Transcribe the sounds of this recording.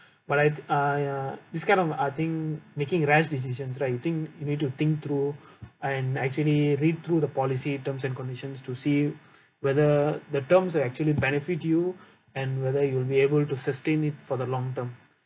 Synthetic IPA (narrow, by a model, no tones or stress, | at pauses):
baʈaɪ | d̪ɪskãɪ̃nɖɔfaɪt̪ʰĩŋkmeːkɪ̃ŋɾæʃɖis̬iʃə̃nsɾaɪʈjut̪ʰĩŋkjuniːɖ̚ʈut̪ʰɪ̃ŋk̚t̪ʰɾuɛ̃ɳæk̚t͡ʃuəliɾiːɖ̚t̪ʰɾuːd̪əpɔlisiʈəɾmsɛ̃nɖkɔ̃ɳɖiʃə̃nsʈusiː | wɛd̪əɾd̪əʈəɾmsɛlæk̚t͡ʃuəlibɛnifiʈju | ɛ̃nwɛd̪əɾjulbieːbəlʈusəsʈẽːnɪʈfɔɾd̪əlɔ̃ŋʈəɾm